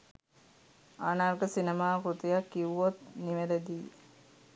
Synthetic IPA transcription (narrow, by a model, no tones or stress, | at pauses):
aːnaːrɡəsinemaːkɾut̪ijakːiʋot̪̚niʋed̪əd̪iː